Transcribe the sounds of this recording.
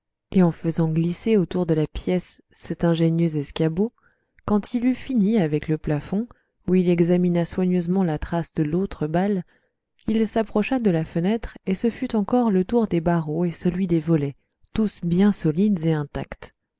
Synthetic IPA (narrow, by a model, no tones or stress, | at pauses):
eɑ̃fəzɑ̃ɡliseot̪uʁd̪əlapjɛsːɛt̪ɛ̃ʒenjøzɛskʲabo | kɑ̃t̪ʰilyfiniavɛkləplafɔ̃ | uilɛɡzaminaswaɲøzmɑ̃lat̪χasd̪əlot̪χəbal | ilsapχɔʃad̪əlafənɛt̪χesəfyt̪ɑ̃kɔʁlət̪uʁd̪ebaʁoesəlɥid̪evɔlɛ | t̪usbjɛ̃sɔlid̪eɛ̃t̪akt̪